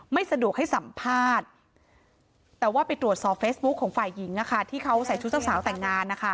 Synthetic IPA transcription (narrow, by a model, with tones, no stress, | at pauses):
ma˥˩jsa˧du˨˩ək̚ha˥˩jsa˨˩˦mpʰaː˥˩t̪̚ | ɛː˨˩waː˥˩pa˧jt̪ɾu˨˩ət̪̚sɔː˨˩p̚feː˦˥sbu˦˥kʰːɔː˩˦ŋfaː˨˩jːi˩˦ŋʔa˦˧˩kʰa˥˩t̪ʰiː˥˩kʰa˦˥wsa˨˩˦jt͡ɕʰu˦˥t̪̚sʰa˥˩saː˩˦wt̪ɛ˨˩ŋːaː˧nːa˦˥kʰa˥˩